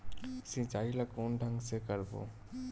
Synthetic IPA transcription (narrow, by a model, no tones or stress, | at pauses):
sĩt͡ɕajlakonɖʱaŋsekaɾbo̰